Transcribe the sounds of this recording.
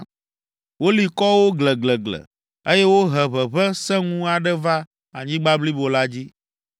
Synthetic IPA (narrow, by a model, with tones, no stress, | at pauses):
wo˦li˨kɔ˦wo˦ɡlɛ˨ɡlɛ˨ɡlɛ̰˨ | e˦jɛ˦wo˦ɦɛ˨βɛ˨βɛ˦sɛ̃˦ŋũ˦a˨ɖɛ˦va˦ | a˨ɲĩ˦ɡ͡ba˦bli˦bo˨la˦d͡ʑi˦